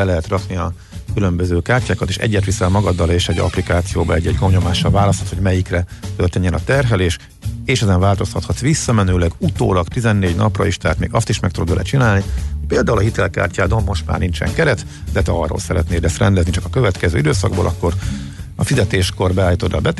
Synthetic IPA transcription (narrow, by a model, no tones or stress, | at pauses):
ɛlɛɦɛt̪rɒkniɒ | kylø̞mbøzøːkaːrcaːkɒt̪eːʃɛ̰ɟːɛt̪ʋisɛmɒɡɒd̪ːɒleːʃɛɟɒ̰plikaːt̪sijo̰ːbɒ̰ɛ̰ɟːɛɟɡomɲo̞maːʃːɒlvaːlɒst̪hɒ̥t̪ho̞ɟmɛjikrɛt̪ørt̪ɛɲːɛnɒt̪ɛrɦɛleːʃ | eːʃɛzɛɱvaːlt̪o̞shɒt̪hɒt̪sʋisːɒmɛnøːlɛɡut̪o̰ːlɒkt̪izɛnːeːɟnɒ̰prɒ̰iʃt̪ɛɦaːt̪mḛːɡɒst̪iʃmɛk̚t̪ud̪od̪bɛ̰lɛ̰t͡ʃinaːlnipeːld̪aːulɒɦit̪ɛlka̰ːrcaːd̪ommo̞ʃt̪ma̰ːrnint͡ʃɛ̰ŋkɛɾɛt̪ | d̪ɛt̪ɛɒro̰ːlsɛɾɛt̪neːd̪ɛst̪rɛnd̪ɛznit͡ʃɒkɒkø̞vɛt̪kɛzø̰ːid̪øːsɒɡ̚bo̰ːlʔɒkːo̞r | ɒfizɛt̪eːʃko̞rbɛaːjit̪od̪ːɒ̰bɛt̪